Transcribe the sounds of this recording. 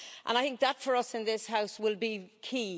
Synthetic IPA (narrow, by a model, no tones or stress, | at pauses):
ʔə̰̃naɪθɪ̃ŋk̚ðətfə˞ʌsɪ̃nðɪshaʊswɪlˠbikʰiː